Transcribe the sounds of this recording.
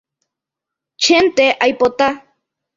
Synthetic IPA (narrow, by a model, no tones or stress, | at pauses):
t͡ʃʰent̪eʔajpot̪a